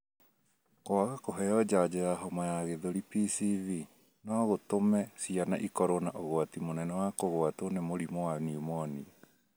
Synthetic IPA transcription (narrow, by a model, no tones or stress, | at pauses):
koaɣakoɦɛjɔd͡ʒad͡ʑeɾaɦɔmajaɣeðoɾipisivi | nɔɣotomɛsiana̰ʔikɔɾonaʔoɣoatimonɛnɛwakoɣoatonemoɾimɔwaniumɔnḭ